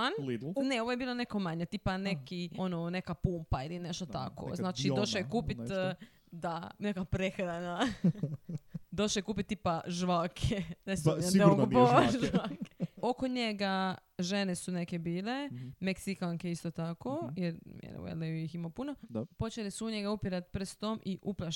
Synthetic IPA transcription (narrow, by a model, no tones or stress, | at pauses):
alineoʋoje̞biːlone̞komaɲet̪iːpane̞kio̞none̞kapumpailineʃt̪ot̪a̰kʰo̰znaːt͡ʃid̪oʃjekuːpit̪ | d̪anekapɾexɾana | d̪oʃojekuːpit̪̚ːiːpaʒʋakʰenesɡboʒʋakeokoɲeɡaʒenesunekebiːlemeksikaŋkeist̪ot̪akojeɾḛno̰ḛlejujiximopunopo̞t͡ʃelisuuɲeɡaupiɾat̪pɾ̩st̪omʔiʔupla